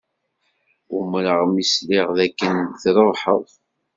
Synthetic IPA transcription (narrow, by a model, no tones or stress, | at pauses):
umɾəʁmisliʁðækːənθɾoˤħəðˤ